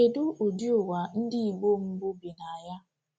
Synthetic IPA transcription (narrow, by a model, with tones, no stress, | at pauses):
e˨du˦ʔo˨d͡ʒi˦ʊ˨wa˨n̩˦dɪ˦i˨ɡ͡bo˦m̩˦bʊ˦bi˨na˨a˨ja˦